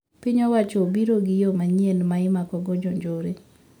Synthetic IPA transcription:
pɪɲɔwat͡ʃɔobiɾoɡɪjomaɲielmaɪmakɔɡɔd͡ʒoɲd͡ʒoɾe

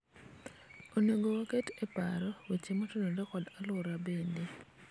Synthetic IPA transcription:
onoɡowaketepaɾɔwet͡ʃemɔtɔnodekɔdalʊɾabende

